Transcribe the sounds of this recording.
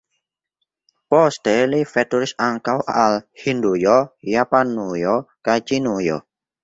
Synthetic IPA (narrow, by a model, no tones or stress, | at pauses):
pɔst̪ɛlifɛt̪uɾɪsaŋkawʔaalhind̪ojɔjapanːujɔkat͡ʃinujɔ̰